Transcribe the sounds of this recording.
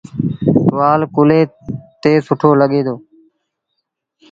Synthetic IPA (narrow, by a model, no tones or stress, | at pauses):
ʋaːlkʊleːt̪eːsʊʈʰoːləɠeːd̪oː